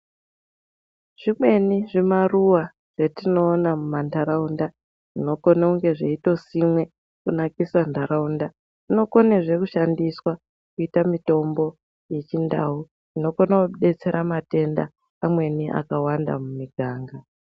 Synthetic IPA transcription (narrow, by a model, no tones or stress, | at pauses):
ʐ̥imwe̞niʐimaruwa | ʐ̥etino̞ːnamumandaɾaunda | ʐino̞ko̞nauŋɡe̞ʐeito̞simwe̞ | kunakisandʱaɾaunda | ʐino̞ko̞neʐe̞kuʃandiswa | kuitamito̞mbo̞ | je̞t͡ʃinda̰u | ino̞konauuɗe̞t͡se̞ɾʔamate̞nda̰ː | mwe̞niʔa̰kawanda̰mumiɡʱaːŋɡa